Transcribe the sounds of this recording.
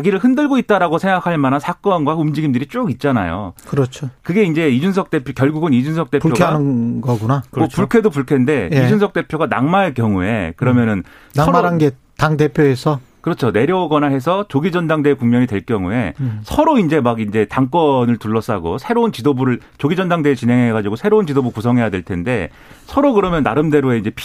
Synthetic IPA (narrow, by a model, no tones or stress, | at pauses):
ɡiɾɯɭhɯndɯɭɡoit̚t͈aɾaɡosʰe̞ŋɡakʰaɭmanansʰak͈ʌnɡwaumd͡ʑiɡimdɯɾit͡ɕ͈oɡit̚t͡ɕ͈ana̰jo̰kɯɾʌt͡ɕʰokɯɡe̞ind͡ʑe̞id͡ʑunsʰʌk̚t͈e̞pʰjokjʌɭɡuɡɯnid͡ʑunsʰʌk̚t͈e̞pujokʰanɯɡʌɡunaopuɭkʰe̞dopuɭkʰende̞id͡ʑunsʰʌk̚t͈e̞pʰjoɡana̰ŋmaɭk͈jʌŋue̞̰kɯɾʌmjʌnɯn | naʌaɾanɡe | taŋde̞pʰjoesʰʌkɯɾʌt͡ɕʰone̞ɾjʌwʌɡʌnaɦe̞s̬ʰʌt͡ɕoɡid͡ʑʌndaŋdeːkuŋmjʌɲide̞ɭk͈jʌŋue̞sʰʌɾoind͡ʑe̞maɡind͡ʑe̞taŋk͈ʌnɯɭtuɭːʌs͈aɡo̰sʰe̞ɾount͡ɕidobuɾɯɭ | t͡ɕoɡid͡ʑʌndaŋdeːt͡ɕine̞ŋɦe̞ɡad͡ʑiɡosʰe̞ɾount͡ɕidobukusʰʌŋɦe̞jadwe̞ɭtʰe̞nde̞ | sʰʌɾokɯɾʌmjʌnːaɾɯmde̞ɾoe̞ind͡ʑe̞pʰ